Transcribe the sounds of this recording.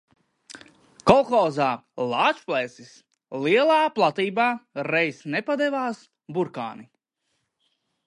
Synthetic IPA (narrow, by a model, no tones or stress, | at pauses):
kɔlˠxɔːzaːlˠɑːt͡ʃplˠɛsis | lˠiɛlˠaːplˠat̪iːbaːɾɛjsnɛpad̪ɛvaːs | buɾka̰ːni